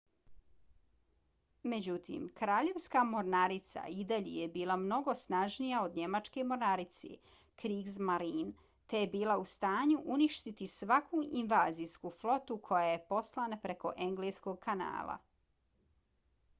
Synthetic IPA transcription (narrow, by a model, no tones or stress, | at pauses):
me̞d͡ʑut̪ḭːmkɾaːʎe̞ʋskamo̞ɾnaɾit̪sa̰id̪aʎḛjebiːlˠamno̞ɡo̞snaʒnijaod̪ɲe̞mat͡ʃke̞mo̞ɾnaɾit̪sḛ | kɾiɡzmaɾiːn | t̪e̞jebiːlˠaust̪aːɲuʔuniʃt̪it̪isʋakʰuʔinʋaːzijskuːflo̞t̪ukʰo̞jaje̞po̞slˠanapɾe̞ko̞ʔe̞ŋɡleːsko̞ɡ̚kʰana̰ːlˠa̰